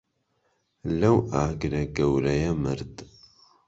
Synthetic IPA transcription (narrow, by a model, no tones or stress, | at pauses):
lɐwaːɡɾɐɡɐwɾɐjɐmɨɾd̪